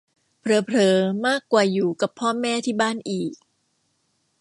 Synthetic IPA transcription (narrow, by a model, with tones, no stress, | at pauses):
pʰɾɤː˨˦pʰɾɤː˨˩˦maː˥˩kːwaː˨˩juː˨˩ka˨˩pʰːɔː˥˩mɛː˥˩t̪ʰiː˥˩baː˥˩nʔiː˨˩k̚